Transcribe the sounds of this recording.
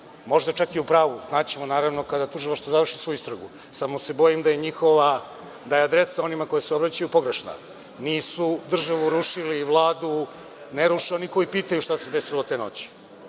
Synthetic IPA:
mo̞ʒd̪at͡ʃakiupɾaːʋuznaːt͡ɕemo̞naːɾaʋno̞kad̪at̪uʒilˠaʃt̪vozaʋr̩ʃi̥sojuist̪ɾaɡu | samo̞se̞bo̞jimd̪aje̞ɲixo̞ʋa | d̪ajead̪ɾesao̞nimako̞jeseo̞bɾat͡ɕajupo̞ɡɾeʃna̰ | niːsud̪r̩ʒaʋuɾuʃiliʋlˠaːd̪u | neɾuʃioniko̞ipiːt̪ajuʃt̪ase̞d̪esiloot̪e̞ːno̞̰t͡ɕi̥

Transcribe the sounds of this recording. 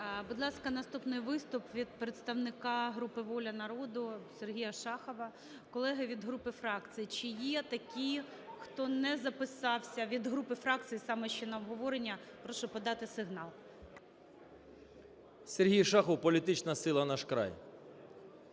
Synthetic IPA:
bʊd̪lˠɑskɐnɐst̪upnɪjʋɪst̪ʊpʋʲid̪̚pɾet̪st̪ɐwnɪkɑɦɾupɪʋɔlʲɐnɐɾɔd̪ʊserɦʲijɐʃɑxɔʋɐ | kɔlˠɛɦɪʋʲid̪ɦɾupɪfɾɑkt͡s̪ʲɨjit͡ʃɪjɛt̪ɐkʲij | xt̪ɔnɛzɐpɪsɑwsʲɐʋʲid̪ɦɾupɪfɾɑk̚t͡s̪ʲɨjisɑmɛʃt͡ʃɛnɐɔbɦɔʋɔɾenʲːɐpɾɔʃʊpɔd̪ɑt̪ɪsɪɦnɑlˠ | serɦʲijʃɑxɔwpɔlʲit̪ɪt͡ʃnɐsɪlˠɐnɑʃkɾɑ̰j

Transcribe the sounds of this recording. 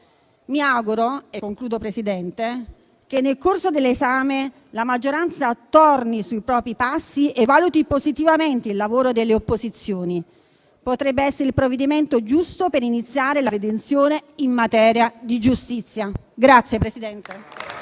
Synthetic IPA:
miawɡuɾoekːoŋkluːd̪opɾesid̪ɛnt̪e | k̟enːelkorsod̪elːezaːme | lamad͡ʒːoɾant̪sat̪ornisuipɾɔːpɾipasːiʔevːaːlut̪ipozit̪ivament̪eilːavoːɾod̪elːeopːozit̪sːjoːni | pot̪ɾɛbːeɛsːeɾeilpɾovːed̪iment̪od͡ʒust̪opeɾinit̪sːjaːɾelaɾed̪ent̪sjoːneimːat̪ɛːɾjad̪id͡ʒust̪it̪sːjaɡɾat̪sːjepɾesid̪ɛnt̪e

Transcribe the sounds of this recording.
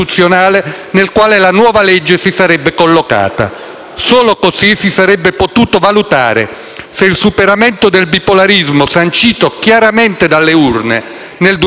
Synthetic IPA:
ut̪sːjonaːle | nelkwaːlelanwɔːvalɛd͡ʒːesisaɾɛbːekolːoka̰ːt̪a̰ | soːlokosisisaɾɛbːepot̪uːt̪ovalut̪a̰ːɾḛ | seilsupeɾamɛnt̪od̪elbipolaɾizmosant͡ʃiːt̪okjaɾamɛnt̪ed̪alːeurne | neld̪

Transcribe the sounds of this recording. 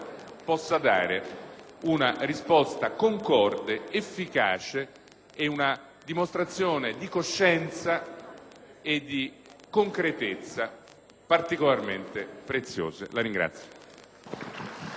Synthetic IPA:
pɔsːad̪a̰ːɾeunarispɔst̪akoŋkɔrd̪eefːikaːt͡ʃeː | una | d̪imost̪ɾat̪sːjoːned̪ikoʃːɛnt̪sa | ed̪ːi | koŋkɾet̪et̪sːa | part̪ikolarment̪epɾet̪sːjo̰ːzḛlaɾiŋɡɾa̰t̪sːjo̥

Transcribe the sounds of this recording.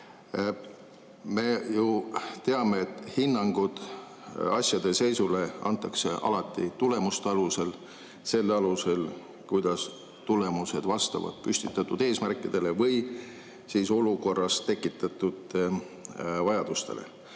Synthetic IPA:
me̞jut̪e̞ɑme̞ːt̪ːhinːɑŋɡ̥ud̪̥ | ɑsʲjɑd̪̥e̞se̞jsule̞ɑ̰nt̪ːˑɑkse̞ʔɑ̰lɑt̪ːˑit̪ule̞must̪eɑluse̞l | se̞lːɑluse̞l | kujd̪̥ɑs | t̪ule̞muse̞d̪̥vɑst̪ɑ̰vɑ̰d̪̥pysʲt̪it̪ːˑɑt̪ːˑud̪̥e̞ːsmærkːˑid̪̥e̞le̞vɤj | siːso̞luko̞rːɑst̪ːe̞kːˑit̪ːˑɑt̪ːˑud̪̥ | vɑjɑd̪̥ust̪e̞̰le̞̰

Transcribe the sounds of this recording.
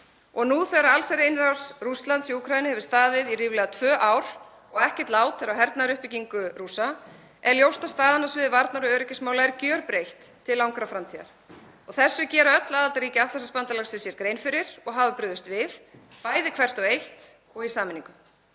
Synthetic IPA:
ɔɣnuθɛɾaɾalsɛɾejnɾawsrust̪lant̪siukʰɾajɪnɪhɛvɪɾ̥st̪aːðvɪðiriːvlɛɣat̪ʰvœːʔawɾ̥ | ɔɣɛhcɪ̥t̪laːwt̪fɛɾawɦɛɾt̪naɾʏhpɪciŋkʏrusa | ʔɛɾljowst̪ḁst̪aːðɪnasvɪðɪvaɾt̪naɾʏœːɾɪcɪsmawlaɛɾcœɾpɾejht̪ʰːɪlːawŋkɾafɾamt̪ʰiːða̰ɾ̥ | ɔɣθɛsːʏcɛːɾaœt̪laðalt̪aɾiːcɪaft̪asɛspant̪alasɪsjɛɾkɾejnfɪɾɪɾ̥ɔɣɦaːvʏpɾʏːðʏst̪vɪðpaːjðɪkʰv̥ɛr̥t̪ɔɣejht̪ | ɔɣisaːmɪnĩŋkʏm

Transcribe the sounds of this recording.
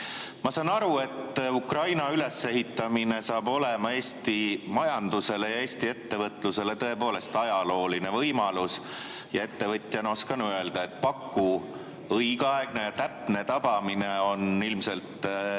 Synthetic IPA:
mɑsɑnːɑɾue̞t̪ːukrɑjnɑyle̞sːe̞ɦit̪ːˑɑmine̞sɑːbo̞le̞mɑe̞ːsʲt̪imɑjɑnd̪̥use̞le̞jɑe̞ːst̪ie̞t̪ːe̞vɤt̪ˑluse̞le̞t̪ɤ̞e̞po̞ːle̞st̪ɑjɑlo̞ːline̞vɤjmɑlus | jɑe̞t̪ːe̞vɤt̪ʲˑjɑno̞skɑnyøe̞ld̪̥ɑe̞t̪̚ːˑpɑkːu | ɤjɡ̥ɑeɡ̥ne̞jɑt̪æpne̞t̪ɑb̥ɑmine̞o̞nilmse̞lt̪

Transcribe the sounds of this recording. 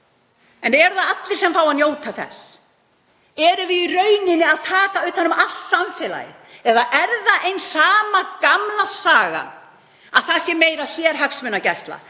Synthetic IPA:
ɛnɛɾθaðat̪lɪɾ̥sɛmfaːwaðnjoːwt̪ʰaθɛ̰s | ɛɾʏvɪðirœɥnɪnːɪaðt̪ʰaːkaʏht̪hanːʏmalssamfɛːla̰jɪ̰ | ɛðaɛɾðaʔejnsaːmakamlasaːɣa̰n | aðθasjɛmeːjɾasjɛɾɦœksmʏnacɛst̪la̰

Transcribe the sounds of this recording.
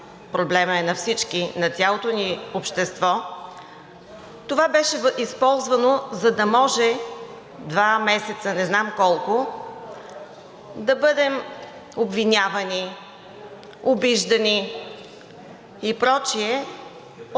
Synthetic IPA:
pɾoblɛməɛnɐfsit͡ʃkinɐt̪ʲalˠot̪oniopʃt̪ɛst̪vɔ | t̪ovabɛʃɛvʔispɔlˠzvənozɐd̪ɐmɔʒɛ | d̪vamɛsɛt̪sənɛznamkɔlˠko | d̪ɐbɤd̪ɛm | obvinʲavəni | obiʒd̪əni | ipɾɔt͡ʃiɛ

